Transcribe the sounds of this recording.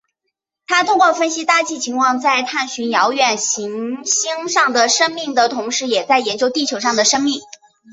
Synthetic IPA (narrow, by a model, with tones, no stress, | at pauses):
t̪ʰa˥t̪ʰʊ˥ŋkwɔ˥˧fə˥nɕi˥t̪a˥˧t͡ɕi˥˩t͡ɕʰi˧˥ŋkʰwɑ˥˧ŋt͡sa˥˧ɪt̪ʰa˥˩nɕy˧˥njɑ˧˥ʊɥɛ˨˩nɕi˧˥ŋɕi˥ŋʂɑ˥˩ŋd̪ə˩ʂɤ˥ŋmi˥˩ŋd̪ə˩t̪ʰʊ˧˥ŋʂɻ̩˥˩jɛ˨˩t͡sa˥˩ɪjɛ˧˥nt͡ɕjo˥ʊt̪i˥˩t͡ɕʰjo˧˥ʊʂɑ˥˩ŋd̪ə˩ʂɤ˥ŋmi˥˩ŋ